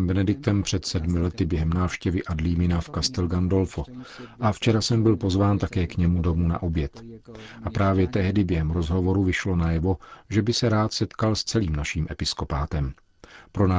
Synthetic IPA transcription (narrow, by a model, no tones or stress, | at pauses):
mbɛnɛdɪk̚t̪ɛmpr̝̥ɛt̪sɛdmɪlɛt̪ɪbjɛɦɛmnaːfʃcɛvɪʔadliːmɪnafkast̪ɛlɡando̞lfoʔaft͡ʃɛɾasɛmbɪlpo̞zvaːnt̪akɛːkɲɛmudo̞muna̰ʔo̞bjɛt̪ʔapɾaːvjɛt̪ɛɦdɪbjɛɦɛmɾo̞zɦo̞vo̞ɾuvɪʃlo̞najɛvo̞ʒɛbɪsɛɾaːt̪sɛt̪kalst͡sɛliːmnaʃiːmʔɛpɪsko̞paːt̪ɛm | pɾonaː